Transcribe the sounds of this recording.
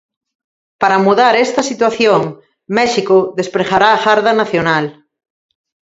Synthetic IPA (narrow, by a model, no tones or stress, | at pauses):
paɾamuðaɾɛst̪ɐsit̪waθjoŋ | mɛʃikʊðespɾexaɾaːxaɾðanaθjonal